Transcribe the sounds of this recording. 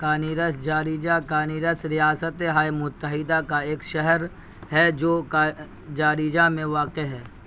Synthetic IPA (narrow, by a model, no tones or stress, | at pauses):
kaːniːɾəsd͡ʒaːɾiːd͡ʒakaːniːɾəsɾijaːsət̪eɦaːjmʊt̪ːəɦɪd̪akaeːkʃɛɦəɾ | ɦɛd͡ʒoːka | d͡ʒaːɾiːd͡ʒamẽʋaːqeɦɛː